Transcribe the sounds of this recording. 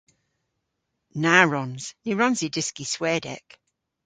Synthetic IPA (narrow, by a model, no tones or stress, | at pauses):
naɹɔnz̥niɹɔnzidɪskiswɛːdɛ̰k